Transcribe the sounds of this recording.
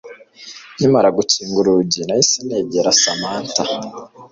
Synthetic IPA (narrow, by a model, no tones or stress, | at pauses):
imaɾaɡuciːŋɡuɾuɟinajisineːɟeɾasamaːnta